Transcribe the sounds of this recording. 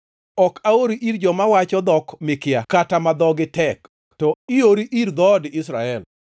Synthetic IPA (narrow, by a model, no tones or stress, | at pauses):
ɔkaoɾiʔiɾd͡ʒɔmawat͡ʃɔd̪ɔkmɪkɪakatamad̪ɔɡɪtɛk | tɔioɾiʔiɾd̪ɔdɪs̬ɾaɛl